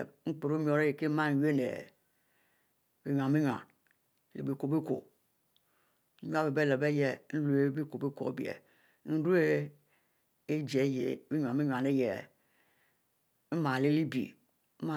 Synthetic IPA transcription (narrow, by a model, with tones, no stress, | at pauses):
ŋ͡m̩˦k͡pu˨ɾo˦mi˦o˨ɾe˦je˨ke˦ma˦n˨je˦nḛ˨ | bi˦ɲʷ˨a˨mi˦ɲʷ˨a̰˨n˨ | lḛ˨bi˨ko˨be˦ko̰˨ | n̩˦ja˦be˨be˦˨le˨be˦je˨˦n̩˦lu˦e˦bi˦ko˨be˦ko̰˨bḭ˨ḛ˨ | n̩˦ɾu˦e˦ | e˦d͡ʒe˨˦jḛ˨bi˦ɲʷ˨a˨me˦ɲʷ˨a˨ne˦jḛ˨ | m̩˦ma˨le˦li˦bḭ˨˦ | ma˦˨